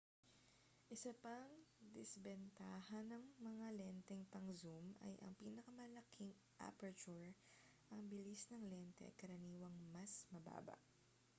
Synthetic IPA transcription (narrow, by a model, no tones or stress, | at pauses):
ʔɪsɐpɐŋd̪ɪsbɛnt̪aːhɐnɐŋmɐŋalɛnt̪ɛŋt̪ɐŋzumɐ̰jʔɐ̰ŋpiːnɐkɐmɐlɐkʰiŋ | ʔa̰pɐt͡ʃuɹ | ʔɐŋbɪlisnɐŋlɛnt̪ɛ̰ʔɐ̰kɐɾɐniːwɐŋmɐsmɐba̰ːbɐ̰ʔ